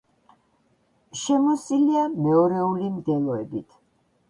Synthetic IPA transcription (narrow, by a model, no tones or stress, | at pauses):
ʃɛmɔsiliamɛɔɾɛulimd̪ɛlˠɔɛbit̪ʰ